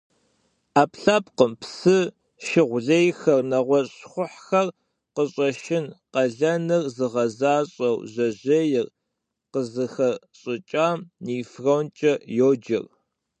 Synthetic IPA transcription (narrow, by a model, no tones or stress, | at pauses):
aːpɬaːpqəmpsɨ | ʃɪʁʷʊɮejxɐrnɐʁʷɔɕɕχʷʊħxɐr | qəɕʼɐʃɪnqɐɮɐnɨrzɨʁɐzaːɕʼɐwʑɐʑejɪr | qəzɨxɐɕʼɪt͡ʃʼaːmniːfrɐwnt͡ʃʼɐjoːd͡ʒɪ̰r